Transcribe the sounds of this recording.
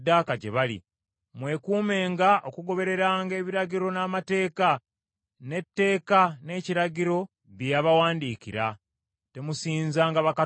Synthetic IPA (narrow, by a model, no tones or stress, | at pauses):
daːkaɟḛβalḭ | mwe̞kuːme̞ːŋɡaʔo̞kuɡo̞βe̞ɾe̞ɾaːŋɡe̞ːβiɾaɟiɾo̞naːmate̞ːka | ne̞tːe̞ːkane̞ːciɾaɟiɾo̞ | βjaβawaːndiːciɾa̰ | te̞musiːnzaːŋɡaβaka